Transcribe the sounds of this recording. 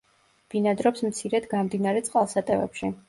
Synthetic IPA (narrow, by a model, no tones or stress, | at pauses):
b̥inad̪ɾɔpsmt̪sʰiɾɛd̪ɡamd̪inaɾɛt̪sʼqʼalˠsat̪ʼɛvɛ̰pʃi